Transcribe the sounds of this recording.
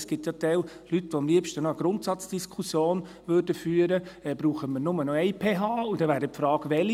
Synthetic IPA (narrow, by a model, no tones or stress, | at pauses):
sɡ̥ɪt̪jɑt̪ɛwlytʋoɑmliəpʃtənɔəɡ̥ɾʊntsɑt͡sd̥iskʰusjoːn | ʋøɾdəfyːəɾəɛb̥ɾuːχəməɾnʊmənɔɛjpʰeːɦɑːudɛʋæːɾdəpfɾɑːɡ̥ʋɛli